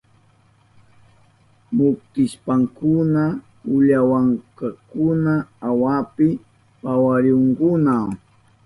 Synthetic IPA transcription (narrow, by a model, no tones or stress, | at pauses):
mʊkt̪ɪʃpaŋkʊna | ʊʎawaŋkakʊnaawapɪ | pawaɾjoŋkʊnaw